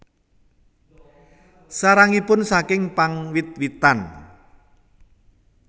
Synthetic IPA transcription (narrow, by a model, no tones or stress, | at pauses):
saɾaŋipʊnsakɪŋpaŋwit̪̚wit̪an